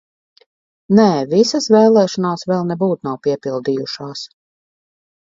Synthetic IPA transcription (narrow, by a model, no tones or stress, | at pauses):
nɛːvisasvɛːlˠɛːʃɔnaːsvɛlˠnɛbuːt̪nawpiɛpilˠd̪iːjuʃaːs